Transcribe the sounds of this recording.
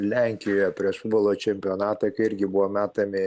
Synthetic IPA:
lʲɛŋʲkʲɪjoːjɛpʲɾʲiɛʃfʊd̪bɔlˠoːt͡ʃʲɛmʲpʲɪonɑːt̪ɐkɐɪɪɾʲɡʲɪbuʋoːmʲæːt̪ɐmʲɪ

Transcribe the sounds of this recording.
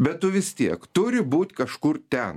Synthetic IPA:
bʲɛt̪tʊʋʲɪst̪ʲiɛkt̪ʊɾʲɪbuːt̪ʲkɐʃkʊɾt̪ʲɛn

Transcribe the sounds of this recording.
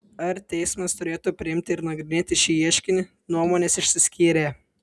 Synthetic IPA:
ɐɾt̪ʲɛɪsʲmɐst̪ʊɾʲeːt̪uːpʲɾʲɪɪmʲt̪ʲɪɪɾnɐɡɾʲɪnʲeːt̪ʲɪʃʲiːiɛʃʲkʲɪnʲɪ | nuɔmoːnʲeːsɪʃʲsʲɪsʲkʲiːɾʲeː

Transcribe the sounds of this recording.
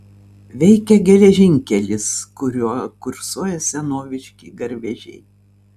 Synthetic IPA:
ʋʲɛɪkʲɛɡʲɛlʲɛʒʲɪŋʲkʲɛlʲɪskʊɾʲuɔkʊɾsuɔjɛsʲɛnoːʋʲɪʃʲkʲḭːɡɐɾʲʋʲɛʒʲɛ̰ɪ

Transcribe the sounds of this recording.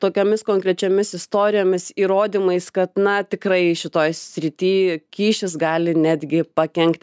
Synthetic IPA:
t̪oːkʲoːmʲɪskoːŋkɾʲɛt͡ʃʲɛmʲɪsɪst̪oːɾʲɪjoːmʲɪsiːɾoːd̪ʲiːmɐɪskɐt̪nɐt̪ʲɪkrɐɪʃʲɪt̪oːjsʲɾʲɪt̪ʲiːkʲiːʃʲɪsɡɑːlʲɪnʲæːd̪ʲɡʲɪpɐkʲɛŋkt̪ʲ

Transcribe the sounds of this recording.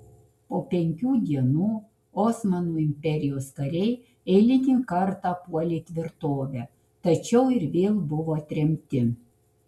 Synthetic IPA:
poːpʲɛŋʲkʲuːd̪ʲiɛnuː | ɔːsmɐnuːɪmʲpʲɛɾʲɪjoːskɐɾʲɛɪ | ɛɪlʲɪt̪ʲiːkɐɾt̪ɑːpuɔlʲeːt̪ʲʋʲɪɾt̪oːʋʲæ | t̪ɐt͡ʃʲɛʊɪɾʋʲeːlˠbʊʋoːt̪ʲɾʲɛmʲt̪ʲɪ

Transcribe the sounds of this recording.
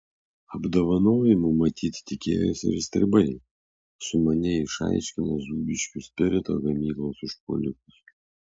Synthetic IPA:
ɐbd̪oʋɐnoːjɪmʊmɐt̪ʲʰiːt̪ʲt̪ʲɪkʲḛːjɛsʲɪ̰ɾsʲt̪ʲɾʲɪbɐɪ | sʊmɐnʲɪɪʃɑ̰ˑɪʃʲkʲɪnozuːbʲɪʃʲkʲʊsʲpʲɪɾʲɪt̪o̰ɡɐmʲiːklˠoːsɪʃpɔ̰lʲɪkʊs

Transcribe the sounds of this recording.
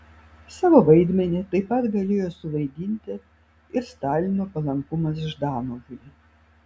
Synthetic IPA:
sɑːʋoːʋɐɪd̪ʲmʲɛnʲɛt̪ɐɪpɐt̪ɡɐlʲeːjoːsʊʋɐɪd̪ʲinʲt̪ʲɪ | ɪɾst̪ɑːlʲɪnoːpɐlˠɐŋkʊmɐs̬ʒd̪ɑːnoːɡʲʊlʲɪ

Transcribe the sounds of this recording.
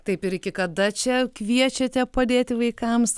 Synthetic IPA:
t̪ɐɪpɪɾɪkʲɪkɐd̪ɐt͡ʃʲɛkʋʲiɛt͡ʃʲɛt̪ʲɛpɐd̪ʲeːt̪ʲɪʋɐɪkɐms

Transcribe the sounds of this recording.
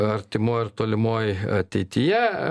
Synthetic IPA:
ɐɾʲt̪ʲɪmoːjɪɾt̪oːlʲɪmoːjɐt̪ʲɛɪt̪ʲɪjɛ

